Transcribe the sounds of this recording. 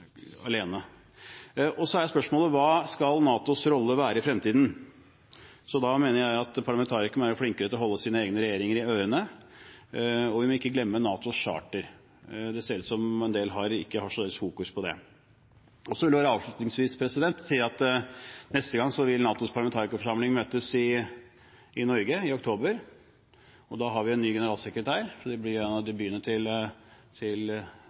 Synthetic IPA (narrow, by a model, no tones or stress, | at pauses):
ɑleːnə | ʔɔsɔæɾjæspœʂmoːləʋɑːskɑlnɑːt̪ʊsɾɔlːəʋæːɾəɪfɾɛmt̪iːd̪n̩ | sɔd̪ɑmeːnəɾjæɪɑt̪pʰɑɭɑmɛnt̪ʰɑːɾɪkəɳʋæːɾəfɽɪŋkəɾət̪ɔɦɔlːəsiːnəeːɡnəɾɛjeːɾɪŋəɾɪøʏɾənə | ɔʋɪmɔɪkːəɡlɛmːənɑːt̪ʊʂɑ̰ːʈəɾ | d̪ɛseːɾʉːt̪sɔmɛnd̪eːlɦɑɾɪ̰kːəhɑʂɔleːʋɪsfuːkʉspʰɔd̪ɛ̰ | ɔsɔʋɪlɛʋːɾəɑːʋʂɭʉːt̪nɪŋsʋiːspʰɾɛsɪd̪ɛnt̪siːɑt̪nɛst̪əɡɑŋsɔʋɪlnɑːt̪ʊspʰɑləmɛnt̪ɑːɾɪkəfɔʂɑmlɪŋmøːt̪əsɪ | ɪnɔɾɡəɪɔkt̪ʰoːbəɾ | ɔd̪ɑɦɑɾʋɪɛnːyːɡɛnəɾɑːlsɛkɾət̪ʰæːɾʂɔd̪ɛblɪɛnɑd̪ɪbyːənːəʈʰɪl | t̪ʰɪl